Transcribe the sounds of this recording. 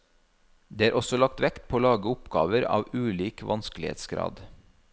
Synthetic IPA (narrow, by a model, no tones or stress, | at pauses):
d̪eːæːɾʔɔsɔlɑk̚t̪ʋɛkt̪pʰoːlɑːɡəʊpɡɑ̰ːʋəɾɑ̰ːʋʉːliːkʋʔɑnsklɪḛːt̪sɡɾɑ̰ːd̪